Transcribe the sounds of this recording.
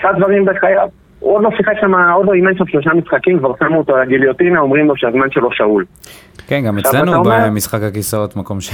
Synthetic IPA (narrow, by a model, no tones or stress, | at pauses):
esadzvaʁimbeχajav | od̪losiχekʃamaodloimanʃelʃlo̞ʃamisχakimkvaʁsamuot̪oalaɡilijotinaomʁimloʃeazmanʃe̞lo̞ʃaul | kenɡameʃalenuobemisχakhakisaotmako̞mʃ